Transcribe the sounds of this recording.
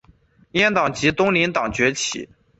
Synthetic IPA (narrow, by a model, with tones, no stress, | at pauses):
jɛ˥˩nt̪ɑ˨˩ŋt͡ɕi˧˥t̪ʊ˥ŋli˧˥nt̪ɑ˨˩ŋt͡ɕɥɛ˧˥t͡ɕʰḭ˨˩˦